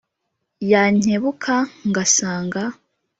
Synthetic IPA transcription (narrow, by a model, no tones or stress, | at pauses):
jaɲ̥heβukʰaŋɡasaːŋɡa